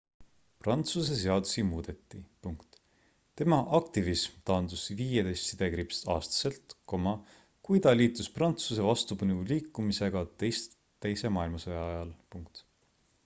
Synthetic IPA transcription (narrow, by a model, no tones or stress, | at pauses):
prɑnt̪suse̞se̞ɑd̪̥usimuːd̪̥e̞t̪ːˑipuŋkt̪ | t̪ːe̞mɑʔɑk̚t̪ivismt̪ɑːnd̪usviːjed̪̥est̪sid̪̥e̞kɾipst̪ɑ̰ːst̪ɑ̥se̞lt̪ko̞mɑ | kujt̪ɑliːt̪ːˑusprɑnt̪suse̞vɑst̪upɯnuliːkːˑumise̞ɡ̥ɑt̪e̞jst̪ | t̪ːejse̞mɑːilmɑsɑjɑɑjɑlpuŋk̚t̪